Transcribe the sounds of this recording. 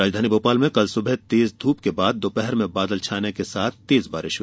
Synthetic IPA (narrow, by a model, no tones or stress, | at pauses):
ɾaːd͡ʒd̪ʱaːniboːpaːlmẽkɐlsʊbʱɛt̪eːzd̪ʱuːpkebaːd̪̚ːoːpɛɦɾmẽbaːd̪əlt͡ʃʰaːnekesaːt̪ʰt̪eːzbaːɾɪʃ